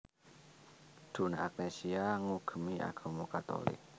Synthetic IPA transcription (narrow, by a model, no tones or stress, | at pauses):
d̪̥o̤naak̚nesiaŋuɡ̥ə̤miʔa̰ɡ̥o̤mukat̪o̰lɪ̰k̚